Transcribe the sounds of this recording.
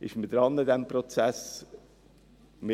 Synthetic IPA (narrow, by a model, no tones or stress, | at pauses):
ɪ̰ʃməd̥̪ɾɑnːəd̪ɛmpɾɔt͡sæs | me